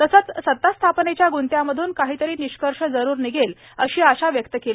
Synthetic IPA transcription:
t̪əsət͡ssət̪ːast̪ʰapnet͡ɕjaɡunt̪jaməd̪ʱuːnkaɦiːt̪əɾiːniɕkəɾʂəd͡zəɾuːɾniɡʱel | əɕiːaɕaʋjəkt̪əkele

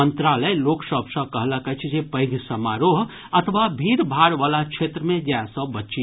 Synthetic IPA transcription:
ənt̪ɾaləjloːksəbsə̃kəɦləkət͡ʃʰd͡ʒepəɦɪd̪ʱisəmaɾoɦ | ət̪ʰʋabʱiːɾbʱaɽʋaːlakt͡ʃʰet̪ɾəmẽd͡ʒasəbətːʃi

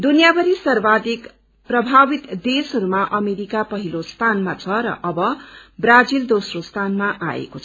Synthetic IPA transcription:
d̪unjabʌɾisʌrbad̪ik | prʌbʱabit̪d̪esɦʌɾumaʔʌmeɾikapʌɦilost̪ʰanmat͡sʰʌɾʌ̰ʔʌbʌbrad͡zild̪osrost̪ʰanmaʔa̰ḛkot͡sʰ

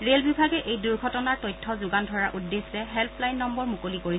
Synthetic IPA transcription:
ɹelbʱibʱaɡɛʔejduɹɡʱɔtɔnaɹtɔjtʰːɔzʊɡandʱɔɹaʔudːesɛɦɛlpʰlajnːɔmbɔɹmukolikoɹi

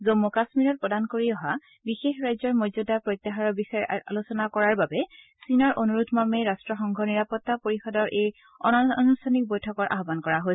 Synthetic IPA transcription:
zomːukasmiɹɔt̚pɔdankoɹiɔɦa | bixexɹajzɔɹmɔzudapɹojt̪ːaɦaɹɔbisaɹa̰lusɔnakɔɹaɹbabɛ | sinɔɹʔonuɹut̪ʰmamɛɹastɹɔxɔŋɡʱɔniɹapɔtːapoɹixɔdɔɹʔej | ɔ̰nɔɔnustʰanik̚bojtʰɔkɔɹʔa̰ɦɔbankɔɹaɦojs

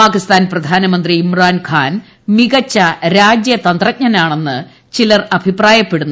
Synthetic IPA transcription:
paːkist̪aːnprɐd̪ʱaːnɐmɐnd̪riːmraːnkʰaːn | miɣɐt͡ɕːɐɾaːd͡ʑjɐt̪ɐnd̪rɐt̚ɲɐnaːɳe̞nːɨ | t͡ɕilɐrɐbʱipraːjɐpːe̞ɽunː

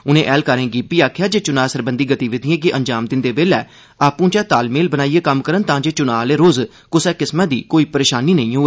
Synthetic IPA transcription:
ʊnẽːʔɛːlkəɾẽːɡiːpiːaːkʰjaːd͡ʒeːt͡ʃʊnaːsəɾbənd̪iːɡət̪iːʋɪd̪ɪ̃ẽːkɪʔə̃ɲd͡ʒaːmd̪ɪnd̪eːbeːlɛː | aːpũːt͡ʃɛːt̪aːlmeːlbənaːieːkəmkəɾənt̪ãːd͡ʒeːt͡ʃʊnaːleːɾoːz | kʊsɛːkɪsmãːd̪iːkoːiːpəɾeːʃaːniːnəĩːɦoːe

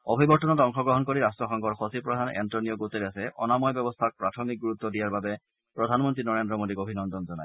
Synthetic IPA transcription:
obʱibɔɹtɔnɔtɔŋxɔɡɹɔɦɔnkoɹiɹastɹɔxɔŋkɔɹxosipɹɔdʱanɛ̰ntɹɔnijɔɡoteɹiasɛʔɔ̰namɔjbjɔbɔstʰak̚pɹatʰɔmik̚ɡuɹut̪ːɔdijaɹbabɛ | pɹɔdʱanmɔntɹinɔɹendɹɔmodiɡobʱinɔndɔnzɔna̰j

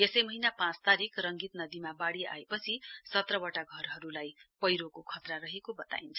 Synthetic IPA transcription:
esʌjmʌɦinapãt͡st̪aɾikrʌŋɡit̪nʌd̪imabaɽia̰epʌt͡sʰisʌt̪rʌbʌʈaɡʱʌrɦʌɾulajpʌjɾokokʰʌt̪raɾʌɦekobʌt̪a̰int͡sʰʌ

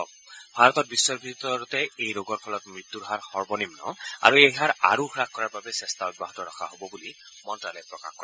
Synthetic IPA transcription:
bʱaɹɔt̪ɔt̚bisːɔɹbʱitɔɹɔtɛejɹoɡɔɹpʰɔlɔtmɹit̪ːuɹɦaɹxɔɹbɔnimnɔ̰a̰ɹuejɦaɹa̰ɹuxʰɹakkɔɹaɹbabɛsɛstaɔd̚baɦɔtɔɹaxʰaɦobɔbuli | mɔntɹalɛpɹɔka̰xkɔɛ

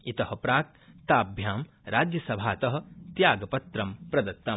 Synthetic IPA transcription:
it̪ɐhɐ̆pɾaːk̪̚ | t̪aːbʱjaːm | ɾaːd͡ʒjɐsɐbʱaːt̪ɐɦɐ̆t̪jaːɡɐpɐt̪ɾɐmpɾɐd̪ɐt̪ːɐ

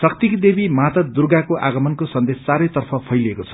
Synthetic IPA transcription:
sʌkt̪ikd̪ebimat̪ʌd̪urɡakoʔa̰ɡʌmʌnkosʌnd̪est͡saɾʌjt̪ʌrpʰʌpʰʌjlekot͡sʰʌ̥

